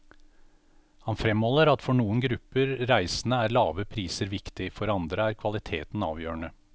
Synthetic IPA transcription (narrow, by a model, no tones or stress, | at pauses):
hɑnfɾɛmhɔlːəɾɑt̪fɔɳuːənɡɾʉpːəɾɾæɪsən̩əæːɾlɑːʋəpʰɾiːsəɾʋɪkt̪ɪfɔɾɑnd̪ɾəæːɾkʰʋɑlɪt̪ʰeːt̪n̩ɑ̰ːʋjøːɾəɳə